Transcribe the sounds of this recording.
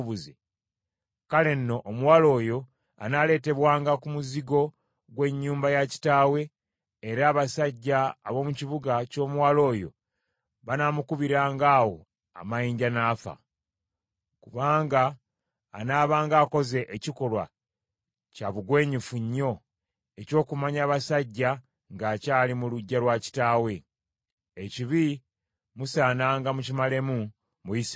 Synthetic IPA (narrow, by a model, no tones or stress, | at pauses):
uze | kale̞nːo̞ʔːmuwaːlo̞ːjo̞ | a̰nale̞ːte̞βwaːŋɡakumuziɡo̞ | ɡwe̞ɲːuːmbajaci̥taːwe̞ː | ɾaːβasaɟːaːβo̞muciβuɡaco̞ːmuwaːlo̞ːjo̞̰ | βanamukuβiɾaːŋɡaːwo̞ | a̰majiːɲɟanaːfa̰ | kuβaːŋɡaː | naːβaːŋɡaːko̞ze̞ʔeciko̞lwa̰ | caβuɡwe̞ːɲifuɲːo̞ | e̞co̞ːkumaɲaːβasaɟːa | ŋɡaːcaːlimuluɟːalwaci̥taːwe̞ | eciβi | musaːnaːŋɡamucimale̞mu | muis